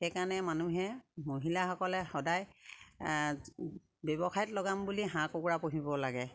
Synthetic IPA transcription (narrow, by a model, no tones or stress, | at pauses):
xɛkanɛmanuɦɛmoɦilaxɔkɔlɛxɔdaj | bebɔxʰajtlɔɡambuliɦãkokuɹapoɦibɔlaɡɛ